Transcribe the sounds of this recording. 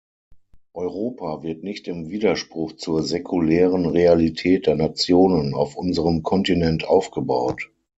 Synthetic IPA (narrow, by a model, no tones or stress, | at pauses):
ʔɔʏʁoːpʰavɪɐtnɪçtɪmviːdɐʃpʁ̥ʊxt͡suːɐzekʰulɛːʁənʁealitʰɛːt̚d̥eːɐnat͡sjoːnəna̰ʊfʔʊnzəʁəmkʰɔntinɛntʰʔaʊfɡ̥əba̰ʊt